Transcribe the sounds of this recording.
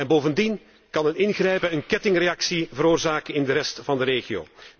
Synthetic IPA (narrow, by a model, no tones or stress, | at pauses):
ɛnboːvəndin | kɑnɦətɪnɣrɛjpəənkɛtɪŋrejɑksivəɾoːrzaːkəɪndəɾɛstfɑndəɾeːɣio̰ː